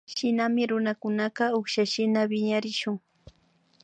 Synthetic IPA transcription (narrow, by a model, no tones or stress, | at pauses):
ʃɪnamɪɾʊnakʊnɑɢɑoχʃaʃɪnabɪɲaɾɪʃʊŋ